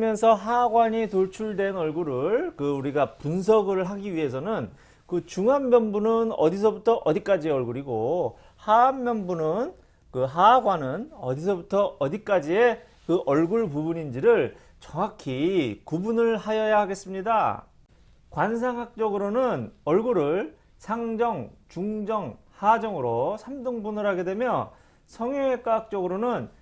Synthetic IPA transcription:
mjʌnsʰʌɦaɡwaɲitoɭt͡ɕʰuɭdwe̞nʌɭɡuɾɯɭkɯuɾiɡapuns̬ʰʌɡɯɾɯɭɦaɡiɥiɦe̞s̬ʰʌnɯn | kɯt͡ɕuŋanbjʌnbunɯnʌ̰dis̬ʰʌbutʰʌʔʌdik͈ad͡ʑieʌɭɡuɾiɡo | hamːjʌnbunɯn | kɯɦaɡwanɯnʌdisʰʌbutʰʌʌdik͈ad͡ʑie̞ | kɯʔʌɭɡuɭpubuɲind͡ʑiɾɯɭ | t͡ɕʌŋakʰikubunɯɭhajʌjahaɡe̞s͈ɯmɲida | kwansʰaŋɦak̚t͡ɕ͈ʌɡɯɾonɯnʌɭɡuɾɯɭ | sʰaŋd͡ʑʌŋt͡ɕuŋd͡ʑʌŋ | had͡ʑʌŋɯɾosʰamdɯŋbunɯɾɦaɡe̞dwe̞mjʌ | sʰʌŋeek͈aɦak̚t͡ɕ͈ʌɡɯɾonɯn

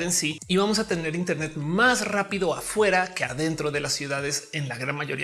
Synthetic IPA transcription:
ensiiβamo̞s̬at̪e̞ne̞ɾint̪e̞ɾne̞t̪masrapiðo̞afwe̞ɾake̞aðe̞nt̪ɾo̞ðe̞lasːjuðaðe̞se̞nlaɣɾanmaʝo̞ɾḭa

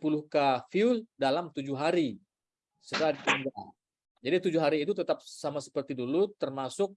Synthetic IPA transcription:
puluhkafiuldalamt̪ud͡ʒuɦaɾi | sədadit̪iŋɡa | d͡ʒadit̪ud͡ʒuɦaɾiːt̪ut̪ət̪ap̚samasə̥pərt̪idulut̪ərmasʊk̚

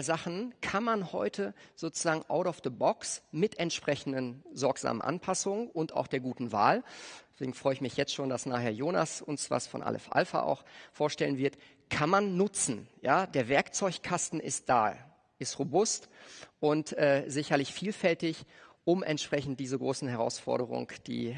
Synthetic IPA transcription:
zaχn̩kʰanmanhɔ̰ʏtʰəz̥oːt͡su̥zaːɡŋ̩ʔaʊɾaʊfðəbɔksmɪtɛntʃpʁ̥ɛçn̩dənzɔɐkz̥a̰ːmə̰nʔa̰npʰasʊŋənʔʊnta̰ʊxd̥eːɐɡuːtn̩va̰ːld̥ɛsv̥eːɡŋ̩fʁ̥ɔʏɪçmɪçjɛt͡stʃoːndasnaːχheːɐjoːna̰sʊnsv̥a̰sfɔ̰nʔa̰ːlʔɛ̰fʔa̰lfa̰ʔa̰ʊxfoːɐʃtɛlənvɪɐt | kʰanmanːʊt͡sn̩jaːdeːɐvɛɐkt͡sɔʏçkʰastn̩ɪ̰st̚d̥a̰ː | ʔɪstʁobʊstʔʊntʔɛːzɪçɐlɪçfiːlfɛltɪçʔʊmʔɛ̰ntʃpʁ̥ɛçn̩t̚d̥iːzəɡʁoːsn̩hɛʁ̞a̰ʊsfɔ̰ɐɾəʁ̞ʊ̰ŋd̥ḭː

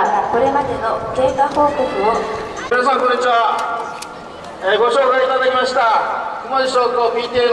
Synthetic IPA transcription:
ko̞ɾe̞mad̪e̞no̞ke̞ːkaho̞ːk̪okɯominas̬ãŋkõ̞ɲːit͡ɕiβa | ɡo̞ɕoːkaiit̪ad̪akʲimaɕi̥t̪akɯmod͡ʑiɕoːkoːpʲiːt̪ʲie

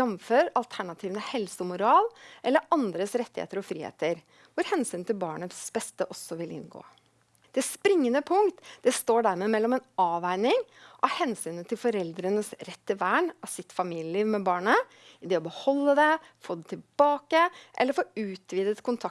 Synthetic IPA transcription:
jɑmføːɾɑlt̪ʰæɳɑt̪ʰiːʋənəhɛlsəmʊɾɑːlʔɛlːəɾʔɑnd̪ɾəsɾɛt̪ːɪhḛːt̪əɾɔfɾiːhḛːt̪əɾ | ʋʊɾhɛnsyːnt̪ɪlbɑːɳəsb̥ɛst̪əʔɔsːɔʋɪlɪ̰nɡo̰ː | d̪̥ɛspɾɪŋːənəpʰʊŋkt̪d̪̥ɛst̪oːɖæɾmeːmɛlːɔmɛnɑːʋæɪnɪŋʔɑhɛnsyːnət̪ʰɪlfɔɾɛld̪ɾənəsɾɛt̪ːɪʋæːɳɑʋsɪt̪fɑmiːlɪəliːʋmɛbɑːɳə | ɪd̪ɛːɔbəhɔlːəd̪ɛ | foːd̪ɛt̪ʰɪlbɑːkəʔɛ̰lːəɾfoːʉːt̪ʰʋiːd̪ət̪kʰʊnt̪ʰɑ

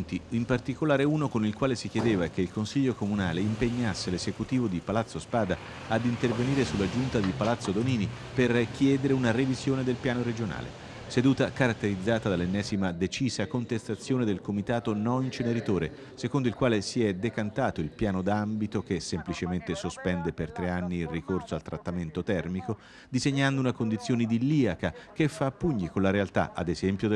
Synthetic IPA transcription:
nt̪iimpart̪ikolaːɾeuːnokonilkwaːlesik̟jed̪eːvakeilkonsiʎːokomuna̰ːleimpeɲːasːelezekut̪iːvod̪ipalat̪sːospaːd̪a | ad̪int̪erveniːɾesulːad͡ʒunt̪ad̪ipalat̪sːod̪oniːni | perk̟ʰjɛːd̪eɾeunarevizjoːned̪elpjaːnoɾed͡ʒona̰ːlḛ | sed̪uːt̪akaɾat̪ːeɾid̪zːaːt̪ad̪alːenːɛːzimad̪et͡ʃiːzakont̪est̪at̪sːjoːned̪elkomit̪aːt̪onɔnint͡ʃeneɾit̪oːɾe | sekond̪oilkwaːlesiɛd̪ːekant̪aːt̪oilpjaːnod̪ambit̪okesemplit͡ʃement̪esospɛnd̪epert̪ɾeanːiːlrikorsoalt̪ɾat̪ːament̪ot̪ɛrmiko | d̪izeɲːand̪ounakond̪it̪sːjoːned̪ilːiːakak̟efːapːuɲːikonlaɾealt̪a̰ʔa̰d̪ezɛmpjod̪

